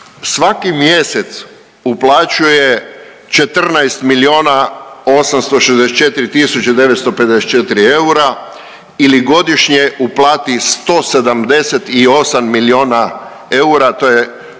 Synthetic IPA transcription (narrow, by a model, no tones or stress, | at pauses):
sʋakimje̞set̪s | uplˠaːt͡ɕuje | t͡ʃe̞t̪r̩najst̪milio̞ːnao̞samst̪o̞ʃezd̪eset͡ʃe̞t̪iɾit̪isut͡ɕad̪e̞ʋet̪st̪o̞pe̞d̪eset͡ʃet̪iɾieuɾa | iliɡo̞d̪iʃɲeʔuplˠaːt̪ist̪o̞ːse̞d̪amd̪e̞set̪io̞samːilio̞ːna | e̞uɾat̪o̞je